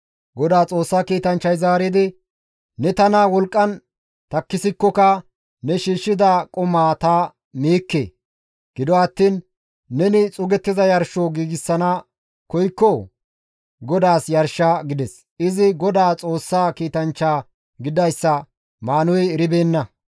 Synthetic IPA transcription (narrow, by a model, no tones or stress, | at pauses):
ɡɔd̪aːt͡sʼo̞ːsːaːkiːt̪ɐnt͡ʃːɐjzaːɾɪd̪ɪ | nɛt̪ɐnɐwɔlkʼːɐn | t̪ɐkːɪsɪkːɔkɐ | nɛʃiːʃːɪd̪ɐkʼɔmaːt̪ɐ | meːkːḛː | ɡ̥ɪd̪ɔɐt̪ːiːnː | ɛnɪt͡sʼʊɡɛt̪ːɪzɐjɐɾʃoɡiːɡɪsːɐnɐ | kɔjkːɔ | ɡɔd̪aːsjɐɾʃaɡɪd̪ɛs | ɪzɪɡɔd̪aːt͡sʼo̞ːsːaːkiːt̪ɐnt͡ʃːaː | ɡɪd̪ɐjsːɐ | maːnʊjɛɾɪbeːnːɐ